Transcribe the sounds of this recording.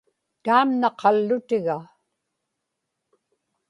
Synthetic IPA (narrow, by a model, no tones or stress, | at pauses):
t̪aːmnɑqʰɑlːʊt̪ɪɣa